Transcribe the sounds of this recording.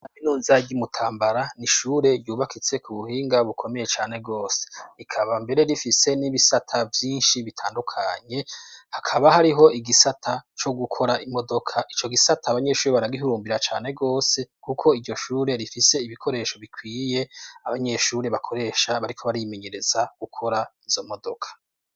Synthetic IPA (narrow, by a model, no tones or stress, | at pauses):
naβinuːnzaɟimutʰaːmbaɾaniʃuːɾe̞ɾɟuːβakʰit͡se̞kuβuhiːŋɡaβukʰo̞me̞je̞t͡ʃaːne̞ɡo̞ːse̞̥ikʰaβambe̞ɾe̞ɾifise̞niβisatʰavjiːnʃiβitʰaːndukʰaɲe̞hakʰaβahaɾiɦo̞iɡisatʰat͡ʃo̞ɡukʰo̞ɾaʔimo̞do̞kʰaʔit͡ʃo̞ɡisatʰaːβaɲe̞ʃuːɾeβaɾaɡiɦuɾuːmbiɾat͡ʃaːne̞ɡo̞ːse̞kukʰo̞iɾɟo̞ʃuːɾe̞ɾifise̞iβikʰo̞ɾe̞ːʃo̞βikwiːje̞aβaɲe̞ʃuːɾe̞βakʰo̞ɾe̞ʃaβaɾikʰo̞βaɾimeɲe̞ɾe̞z̥aɡ̥ukʰo̞ɾaiz̥o̞mo̞dokʰḁ